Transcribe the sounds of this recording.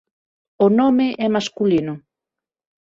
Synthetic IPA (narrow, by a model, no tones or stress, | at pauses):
onomeʔɛmaskulino